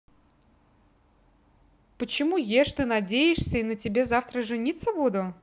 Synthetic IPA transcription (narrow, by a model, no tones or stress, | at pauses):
pət͡ɕɪmujeʂt̪ɨnɐdʲejɪʂsʲəinətʲɪbʲe̞zaft̪ɾəʐɨnʲit̪sːəbud̪ʊ